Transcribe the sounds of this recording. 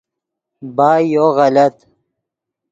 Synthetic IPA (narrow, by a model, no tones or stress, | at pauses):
baːjoɣɐlɐt̪